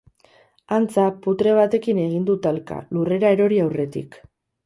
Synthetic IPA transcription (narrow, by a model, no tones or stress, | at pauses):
ant͡saput̪ɾe̞β̞at̪e̞kine̞ɣ̞ind̪ut̪alka̰lure̞ɾaeɾo̞ɾiawre̞t̪ḭk